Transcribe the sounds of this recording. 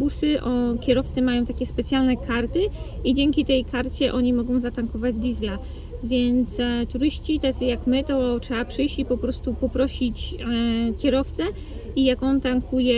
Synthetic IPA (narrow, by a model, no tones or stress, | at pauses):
busɘʔɔkʲjɛɾɔft̪sɨmajɔ̃w̃t̪akʲɛspɛt̪sʲjalnɛkʰaɾt̪ɘid͡ʑɛŋʲkʲit̪ɛjkʰaɾt͡ɕɛʔɔɲimɔɡɔ̃w̃zat̪aŋkɔvad͡ʑd̪ʲizʲla | vʲjɛnt̪st̪uɾɘɕt͡ɕit̪at̪sɨjakmɘt̪ɔtʂɛapʂɘjɕt͡ɕipɔpɾɔst̪upɔpɾɔɕit͡ɕ | kʲɛɾɔft̪sɛ | ijakɔnt̪aŋkʰujɛ